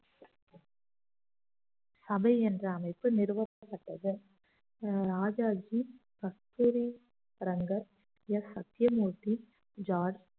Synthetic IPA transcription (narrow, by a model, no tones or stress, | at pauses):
sɐbɐɪɛndrɐːmɐɪpːɯnɪɾɯʋɐɐpːɐʈːɐðɯ | ɾaːd͡ʒaːd͡ʒiɡ̥ɐst̪uːɾi | ɾɐŋɡɐɾ | jɛsːɐt̪ːjɐmuːʈːi | d͡ʒaːɖ